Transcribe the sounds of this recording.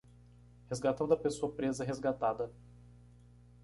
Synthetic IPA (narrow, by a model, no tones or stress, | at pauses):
hezɡat̪ɐ̃nd̪ʊɐpesoɐpɾezɐɛɦezɡat̪ad̪ɐ